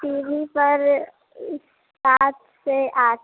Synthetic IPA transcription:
piːbʱipɐɾ | ɪs | t̪aːt̪ʰseʔaː

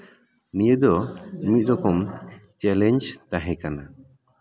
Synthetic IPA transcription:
nijəd̪ɔmit̪̚ɾɔkɔmt͡ʃɛlɛɲd͡ʒt̪aɦɛ̃kana

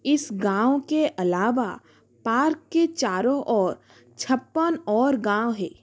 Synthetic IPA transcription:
ɪsɡãːwokeʔɐlaːʋa | paːɾkːet͡ʃaːɾõʔɔːɾ | t͡ʃʰɐpːənɔːɾɡãːwɦɛ̰ː

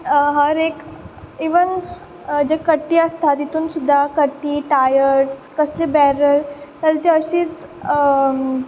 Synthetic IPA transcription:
ɦəɾekiʋən | d͡ʑekəʈːiːast̪ʰat̪it̪uːnsud̪ʱːakəʈːiːʈajəɾʈskəslibɛɾəɾt̪alat̪iəɕiːt͡s

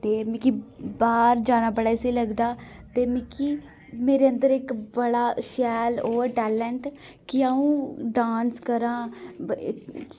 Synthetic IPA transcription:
t̪eːmikibaːɾd͡ʒaːñaːbəɽaːɪseːləɡd̪aːt̪eːmikiː | meːɾeːə̃nd̪əɾɪkbəɽaːʃɛːloːɾʈɛːlɛɳʈ | kɪaːũːɖaːnskəɾãː

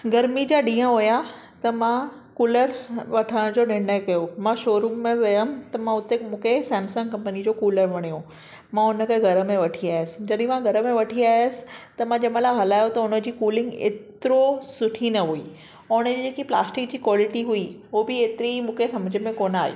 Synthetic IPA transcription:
ɡɐɾmid͡ʑaːɗĩːə̃ɦʊja | t̪ɐmã | kuːləɾʋɐʈʰəɽ̃d͡ʑoːnɪɽəkɐjomãʃoːɾuːmmẽʋɐjəm̆t̪ɐmãʊt̪emũːkʰesɛ̃ːmsə̃ŋkɐ̃mpənid͡ʑoːkuːləɾʋɐɽ̃ijõ | mãʊnə̆keɡʱɐɾə̆mẽʋɐʈʰiaːɪəsɪ̥̆d͡ʑɐɗɦĩmãɡʱɐɾə̆mẽʋɐʈʰiaːɪəsɪ̥̆t̪ɐmãd͡ʑɐmə̃laɦɐlaːjot̪ɐʊnə̆d͡ʑiːkuːlɪ̃ŋɡḛːt̪ɪɾosʊʈʰinɐɦui | ʊñəd͡ʑid͡ʑeːkipla̰ːsʈɪk̚d͡ʑiːkʋɔːlɪʈiɦuiɦobɪeːt̪ɪɾimũːkʰesɐməd͡ʑʱə̆mẽkoːnaːɦej̰o̰ː

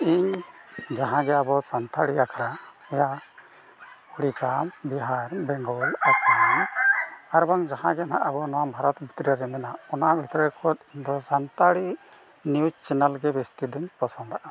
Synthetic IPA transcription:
iɲd͡ʒaɦãɡɛabɔsant̪ʰaɽiakʰaɽa | ɛja | huɽisambiɦaɾbɛŋɡɔlasan | aɾbaŋd͡ʒahã̰ɡɛna̰ʔabɔnɔwabʱaɾɔt̪bʱit̪ɾaɾɛmɛnaɔnabʱit̪ɾɔɛkʰɔt̪̚iɲd̪ɔsant̪aɽi | nijud͡ʒt͡ʃɛnalɡɛbɛst̪id̪ɛɲpɔsand̪aʔa

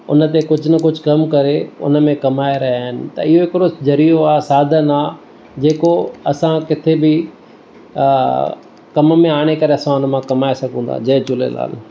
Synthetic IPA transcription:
ʊ̰nət̪ekʊd͡ʑʱʊnɐkʊd͡ʑʱʊkɐmkɐɾeʊ̰nəmẽkɐmaːeɾɐɦaːɦɪnɪ̰̆t̪ɐ̰ɪɦoɪkɪɾod͡ʒɐɾijoaːsaːd̪ʱənaː | d͡ʑeːkoɐsãkɪt̪ʰebɪ | kɐmmẽaːɽ̃ekɐɾeɐsãʊnmãkɐmaːesɐɡʱũːn̆d̪a̰d͡ʑɐːt͡ʃʊlḛla̰ːl

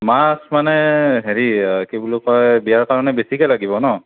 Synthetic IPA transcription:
masmanɛɦeɹikebulukɔjbijaɹkaɹɔnɛbesikalaɡibɔnɔ

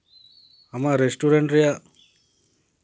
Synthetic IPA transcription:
amaɾesʈuɾeɳʈɾeja

